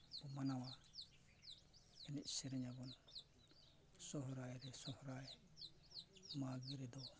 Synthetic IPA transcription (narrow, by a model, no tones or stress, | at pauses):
b̥ɔmanawa | ɛniʔsɛɾɛɲabɔn | sɔɦɔɾajɾɛsɔhɾaj | maɡiɾɛd̪ɔ